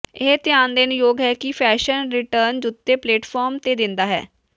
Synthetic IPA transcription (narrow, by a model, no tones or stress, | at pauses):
ɪɦt̪ɪjaːnd̪eːnʊjoːɡɦɛːkɪpʰɛːʃənɾɪʈəɾnd͡ʒʊt̪ːeːpleːʈpʰɔːɾmt̪eːd̪ɪnd̪aːɦɛ̰ː